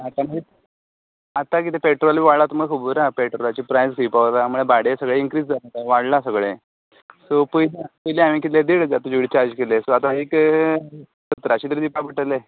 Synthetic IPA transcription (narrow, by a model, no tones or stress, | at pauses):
at̪aməe | at̪ak̬it̪epeʈɾoliʋaɽɭat̪məɡkʰubuɾapeʈɾolat͡ɕipɾajzkipaʋt̪aməɭebaɽesəɡɭeiŋkɾiːd͡zd͡zalt̪aʋaɽlasəɡɭe | sopəjlepəjleamiːkit̪led̪iɽd͡zat̪əd͡ʑuɽit͡ɕaɾd͡ʑkelesoat̪aek | sət̪ɾat͡ɕiːd̪əɾd̪ipapəʈəle